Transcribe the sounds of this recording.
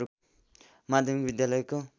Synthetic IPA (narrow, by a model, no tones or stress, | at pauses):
u | mad̪ʱjʌmbid̪jalʌjko